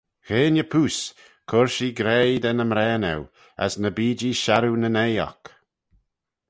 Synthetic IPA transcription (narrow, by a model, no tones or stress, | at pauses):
xeːnʲəpʰuːs | kʰʊɹʃiɡɾɛjd̪ɛnəmɾɛːnɛ̰w | a̰snəbiːd͡ʒiʃaɾunənejɔ̰k